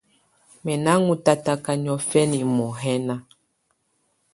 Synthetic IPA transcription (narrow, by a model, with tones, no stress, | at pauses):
mɛ˨na˦ŋu˨˦ta˦ta˦ka˨ɲɔ˦fɛ˦ni˨mɔ˨ɦɛ˦na˦